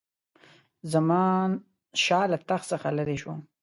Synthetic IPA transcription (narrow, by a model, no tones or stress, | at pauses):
zamɑn | ʃɑːlat̪axsəxaləɾeʃwom